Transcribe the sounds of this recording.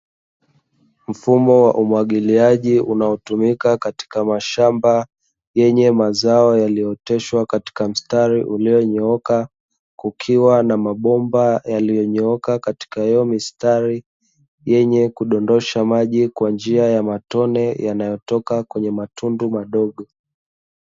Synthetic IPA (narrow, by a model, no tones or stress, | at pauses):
m̩fumɔwaʔumwaɠiliaʄiunaɔtumikakati̥kamaʃamba | jɛɲɛmazaɔjalijɔtɛʃwakati̥kam̩staɾiʔulijɔɲɔɔka | kukʰiwanamaɓɔmbajalijɔɲɛɔkakati̥kaɛɔmistaɾi | jɛɲɛkuɗɔndɔʃamaʄikwand͡ʒiajamatɔnɛjanajɔtɔkakwɛɲɛmatʰundumaɗɔɠɔ